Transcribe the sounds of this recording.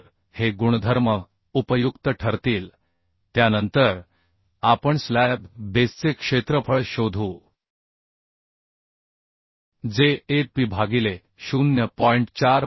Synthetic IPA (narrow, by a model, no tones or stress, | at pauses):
ɾ | heɡuɽ̃əd̪ʱəɾmə | upəjukt̪əʈʰəɾt̪iːl | t̪janənt̪əɾ | apəɳslæbbest͡sekʂet̪ɾəpʰəɭɕod̪ʱuː | d͡zeːɾpiːbʱaɡile | ɕunjəpɔiɳʈt͡ɕaɾ